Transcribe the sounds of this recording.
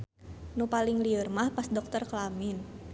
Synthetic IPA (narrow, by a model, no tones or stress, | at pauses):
nupaliŋliərmahpasdɔk̚t̪ərklamɪn